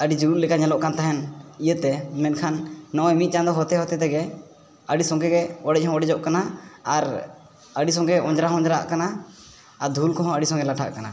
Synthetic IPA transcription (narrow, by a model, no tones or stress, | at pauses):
əɖid͡ʒuɾuʔlɛkaɲɛlɔʔkant̪aɦɛnijət̪ɛmɛnkʰanːɔʔɔjmit̪̚ˀt͡ʃãnd̪ɔɦɔt̪ɛɦɔt̪ɛt̪ɛɡɛ | əɖisɔ̃ŋɡɛɡɛɔɖɛc̚ˀhɔ̃ɔɖɛd͡ʒɔʔkanaaɾ | əɖis̬ɔ̃ŋɡɛɔ̃d͡ʒɾaɦɔ̃ɲd͡ʒɾa̰ʔkanaː | ɾd̪ʱulkɔɦɔ̃əɖisɔ̃ŋɡɛlaʈʰa̰ʔkana